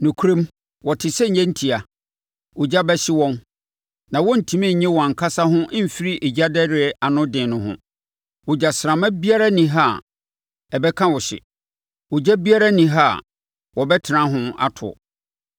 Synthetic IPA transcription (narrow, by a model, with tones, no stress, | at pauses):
nʊ̃˨kʰu˦ɾẽ˦m | wɔ˨tʰɪ˨sɛ˦ɲ̩˨ɲɛ̃˦n̩˦tʰi˨a˨ | wʊ˨d͡ʑa˦bɛ˦ɕɪ˦wɔ̃˦n | nã˨wɔ̃˦n̩˨tʰĩ˨mĩ˦˨ɲɛ̃˦wɔ˨a˨ŋ̩˨kʰa˦sa˦ɦʊ̃˦ʔ̩˦˨fi˦ɾi˦ʔe˨d͡ʑa˦dɛ˦ɾɪ˨ɛ˨ʔa˨nʊ̃˦dɪ̃ː˨nʊ̃˨ɦʊ̰̃˨ | wʊ˨d͡ʑa˨sɾã˨mã˦bi˦a˦ɾa˦nĩ˨ɦa˦˨ | ɛ˨bɛ˦kʰã˦wɔ˨ɕɪ̰˨ | wʊ˨d͡ʑa˦bi˦a˦ɾa˦nĩ˨ɦa˦˨ | wɔ˨bɛ˦tʰɪ˨nã˦ɦʊ̃˦a̰˨tʰʊ̰˨ɔ̰˨